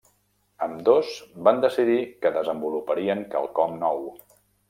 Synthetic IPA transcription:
əmd̪ozband̪əsiðikəðəzəmbulupəɾiəŋkə̰lˠkɔmnɔw

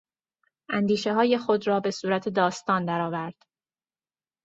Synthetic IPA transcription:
ʔænd̪iːʃe̞ɦɒːje̞xo̞d̪ɾɒːbe̞suːɾæt̪ʰe̞d̪ɒːst̪ɒːnd̪æɾɒːvæɾd̪̥

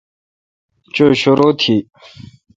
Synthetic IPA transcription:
t͡ɕoɕoɾot̪ʰi

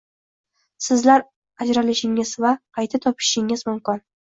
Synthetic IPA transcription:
sɪzlaɾ | ad͡ʒɾalɪʃɪŋɪzvaqʰɑjt̪ʰat̪ʰɒpʰɪ̥ʃɪŋɪzmʊmkɪn

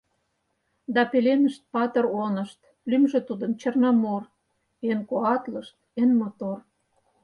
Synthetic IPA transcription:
d̪ɑpelenəʃt̪̚pɑt̪ə̆ronə̆ʃt̪ | lymʒĕt̪ud̪ə̆nt͡ɕərnɑmor | enkoɑt̪ləʃt̪̚enmot̪or

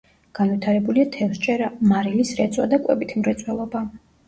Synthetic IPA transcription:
ɡ̥anvit̪ʰaɾɛbuliat̪ʰɛlst͡ʃʼɛɾamaɾilisɾɛt̪sʼwa̰d̪akʼwɛ̰bit̪ʰmɾɛt̪sʼwɛlˠɔba

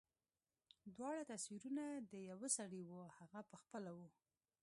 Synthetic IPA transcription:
d̪wɑɽat̪aswiɾunad̪əjawəsaɽiwuhaɣapəxpəlawu

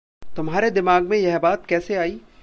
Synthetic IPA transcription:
t̪ʊmɦaːɾed̪ɪmaːɡmẽjɐɦbaːt̪kɛːseaːiː

